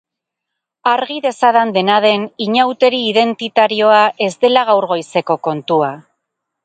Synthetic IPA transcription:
aɾɣiðe̞saðand̪e̞nað̞e̞niɲawt̪e̞ɾiːðe̞nt̪it̪aɾio̞aʔe̞zd̪e̞laɣawɾɣo̞jse̞ko̞ko̞nt̪ua

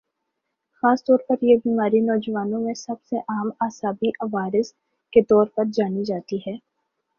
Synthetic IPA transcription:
xaːst̪ɔːɾpɐɾjebiːmaːɾinɔːd͡ʒəʋaːnõmẽsɐbseʔaːmaːsaːbiʔɐʋaːɾɪs | ket̪ɔːɾpɐɾd͡ʒaːnid͡ʒaːt̪iɦɛː

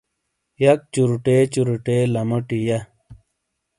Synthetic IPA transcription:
jɐk̚t͡ɕuɾuʈet͡ɕuɾuʈelɐməʈijɐ

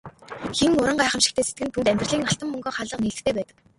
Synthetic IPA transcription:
ximʊɾə̆ɴɢæːχə̆mʃi̥xt̪ʰeːset̪ɡɘ̆nt̪ʰunt̪æmʲt̪rɮiːŋnaɬt̪ə̆mːɵŋɡɔːχaːɮə̆qniːɬɘ̥̆xt̪ʰeːpæːt̪ə̆k

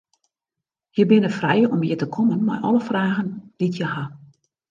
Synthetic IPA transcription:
jəbɪnəfrɛjɔmjətəkʰɔmənma̰jʔɔ̰ləfraːɣənditʰjəha

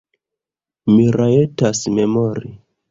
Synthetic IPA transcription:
miɾaetasmemoɾi

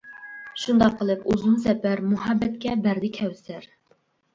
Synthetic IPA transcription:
ʃund̪ɑqʰːəlˠɨpuzumsɛpæɾmuɦɑbːɛt̪̚kʲɛbæɾd̪ɪkʲʰɛwsæɾ

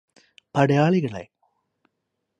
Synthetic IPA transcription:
pɐɽɐjaːɭiɣɐɭḛ

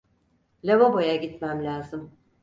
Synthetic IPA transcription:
lʲevabojaɟit̪mæmlʲaːzɯm

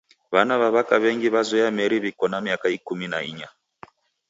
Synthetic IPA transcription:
βanaβaβakaβɛŋɡiβazwɛjamɛɾiβikɔnamiakaikuminaiɲa

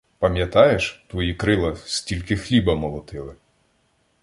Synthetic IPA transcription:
pɐmʲjɐt̪ɑjeʃt̪ʋɔjikɾɪlˠɐsʲtʲilʲkɪxlʲibɐmɔlˠɔt̪ɪlˠɪ

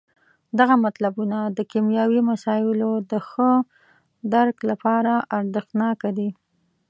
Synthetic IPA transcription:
d̪aɣamat̪labunad̪əkimjɑwimasɑjɪlod̪əxə | d̪aɾklapɑɾaʔaɾd̪əxnɑkad̪i

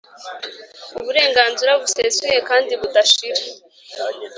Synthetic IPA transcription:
uβuɾe̞ːŋɡaːnzuɾaβusezuje̞kaːndiβudaʃiɾa

